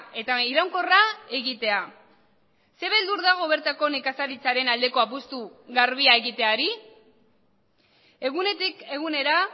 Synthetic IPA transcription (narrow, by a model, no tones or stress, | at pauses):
e̞t̪aiɾawŋko̞rae̞ɣit̪e̞a | se̞βeld̪uɾðaɣ̞o̞β̞e̞ɾt̪ako̞nikasaɾit͡saɾe̞nald̪e̞ko̞apust̪uɣaɾβiae̞ɣit̪e̞aɾi | e̞ɣune̞t̪ike̞ɣ̞une̞ɾa